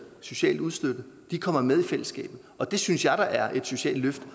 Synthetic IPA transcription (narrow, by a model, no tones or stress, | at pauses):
so̝ɕɛ̰ːld̥uð̞ˠsd̥ød̥ə | d̥ikʰɒ̽m̰ɐmeð̞ˠifel̰əsɡ̥ɛ̰ːb̥ð̩ˠɒ̽d̥e̝synsjɑ̈ɪɾɑ̈ʔæɐʔe̝d̥so̝ɕɛ̰ːl̥løfd̥